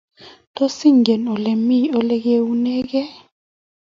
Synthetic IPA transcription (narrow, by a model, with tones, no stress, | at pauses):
to˦si˦ŋɡɛ˨nɔ˨lɛ˨mi˦ɔ˦lɛ˦k̬e˦wu˦nɛ˦k̬ɛ˦